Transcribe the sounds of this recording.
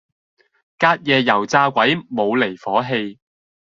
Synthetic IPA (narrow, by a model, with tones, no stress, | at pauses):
kaː˧t̚jɛː˨˧jɐ˨˩wt͡saː˧kʷɐ˨˥jmo˨˧wle˨˩jfɔː˨˥ɦe˧j